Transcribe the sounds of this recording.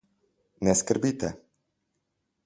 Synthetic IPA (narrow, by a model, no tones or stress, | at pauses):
nɛskəɾbit̪ɛ